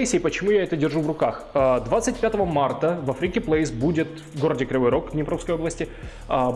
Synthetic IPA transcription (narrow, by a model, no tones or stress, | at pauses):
sʲepət͡ɕɪmujaɛt̪ədʲɪrʐuvrʊkax | əd̪vat̪sɨt̚ʲpʲat̪əvəmart̪əvɐfɾʲɪkʲɪplˠəɪsbudʲɪt̪vɡo̞ɾədʲɪkɾʲɪvojɾokvnʲɪpɾofskəjoblˠəsʲtʲɪ